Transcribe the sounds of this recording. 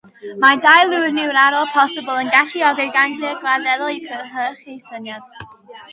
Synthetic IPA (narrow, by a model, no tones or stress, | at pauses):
madajlˠuwrnɪwɾaɾɔlˠpʰɔsɪbəlˠənɡaɬiɔɡɪɡaniəɡvadɛðɔlˠikʰəðəɦəχejsənjad̥